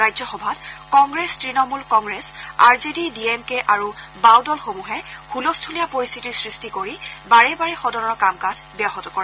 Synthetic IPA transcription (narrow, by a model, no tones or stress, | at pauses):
ajzɔxɔbʱatkɔŋɡɹɛstɹinɔmulkɔŋɡɹɛsa̰ɹzedidiemkeʔaɹubawdɔlxomuɦɛhʰulɔstʰulijapoɹist̪ʰitisɹistikoɹibaɹɛbaɹɛxɔdɔnɔɹkamkazbjaɦɔtɔkɔɹa